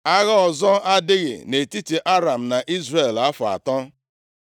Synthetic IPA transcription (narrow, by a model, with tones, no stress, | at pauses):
a˦ɣa˦ɔ˨zɔ˦a˦dɪ˦ɣɪ̰˨ne˨ti˦ti˨ʔa˦ɾa˨m̩˨na˨ʔi˦zre˨la˦fʊ˨a̰˨tɔ˦